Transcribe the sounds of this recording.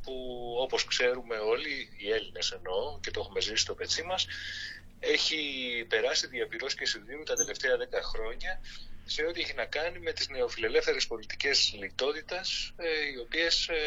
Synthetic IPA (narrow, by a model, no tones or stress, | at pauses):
puo̞po̞skse̞ɾume̞o̞liːe̞line̞se̞no̞ce̞t̪o̞xume̞zisi̥st̪o̞pe̞t͡simɐs | e̞çipe̞ɾɐsiðiɐpiɾo̞scesinðiunt̪ɐt̪e̞le̞ft̪e̞ɐðe̞kɐxɾo̞ɲɐse̞o̞t̪ie̞çinɐkɐnime̞t̪izne̞o̞file̞le̞fθe̞ɾespo̞lit̪i̥ce̞zlit̪o̞t̪it̪ɐsio̞pie̞s